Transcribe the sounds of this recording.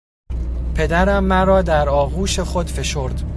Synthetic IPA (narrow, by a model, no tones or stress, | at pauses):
pʰe̞d̪æɾæmːæɾɒːd̪æɾɒːɣuːʃe̞xo̞d̪fe̞ʃo̞ɾd̪